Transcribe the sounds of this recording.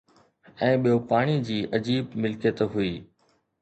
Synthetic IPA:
ɛ̃ːɓijoːpaːɽ̃id͡ʑiːʔəd͡ʑiːbmɪlkjət̪ɦʊiː

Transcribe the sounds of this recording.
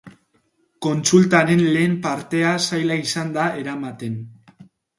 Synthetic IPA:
ko̞nt͡sult̪aɾe̞nle̞ːmpaɾt̪e̞asajlaisand̪ae̞ɾamat̪e̞n

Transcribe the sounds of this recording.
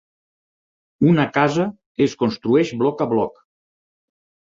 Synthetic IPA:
unakazə | eskonst̪ɾuɛʃblɔkəβlɔk

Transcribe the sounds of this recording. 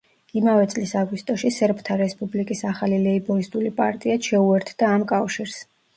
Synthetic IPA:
imavɛt̪sʼlisaɡwist̪ʼɔʃisɛɾpʰt̪ʰaɾɛspʼublikʼisaχalilɛibɔist̪ʼulipʼa̰ɾt̪ʼiaʃɛuɛɾt̪ʰd̪̥aːmkʼafʃiɾs

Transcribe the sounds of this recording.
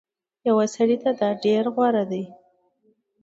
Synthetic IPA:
jawasaɽit̪ad̪ɑɖeɾɣwɑɾad̪aj

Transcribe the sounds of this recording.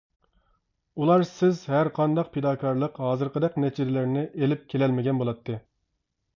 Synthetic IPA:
ulˠɑɾsɪzhæɾqʰɑnd̪ɑq̚pʰed̪ɑːkʰɑɾlˠəqɦɑːzɨɾqəd̪ɛqnɛt͡ʃʰid̪ɪlɪɾnɪʔelɪp̚kʲʰelɛlmɪɡʲɛnbolˠɑt̪ʰːɨ

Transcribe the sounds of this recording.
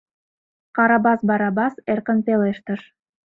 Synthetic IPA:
qɑɾɑbɑsbɑɾɑbɑserkə̆npeleʃt̪ə̆ʃ

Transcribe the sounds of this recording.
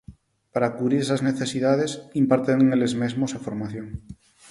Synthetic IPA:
paɾakuβɾiɾesazneθesiðað̞esimpaɾt̪eŋŋelezmezmosafoɾmaθjoŋ

